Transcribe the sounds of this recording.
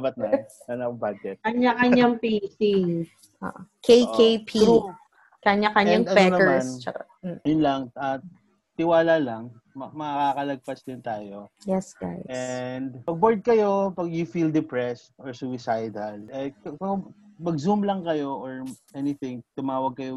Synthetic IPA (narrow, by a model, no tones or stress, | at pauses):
ɐbɐt̪̚nɐ | ɐnɐkbad͡ʒɛt̪̚kɐɲːakɐɲaŋpiːsi | ʔo̰ʔkʰejkejpʰiu | kɐɲakɐɲaŋɐnpɛnɐɛmnst͡ʃɐka | jʊnlɐŋʔɐ | t̪ɪwaːlalɐŋ | mɐmɐɐkakɐlɐɡ̚pɐsd̪ɪnt̪aːjojɛsɡajʔɛnd̪pɐɡ̚boɹd̪̚kɐjo̞pɐɡjʊfild̪ɪpɹɛst̪ʔɔɹsuwɪsajd̪ɐlʔɛkɐkɐmɐɡzumlɐŋkɐjo̞ʔoɹʔɛnɪθɪŋt̪ʊmaːwɐɡ̚kɐjo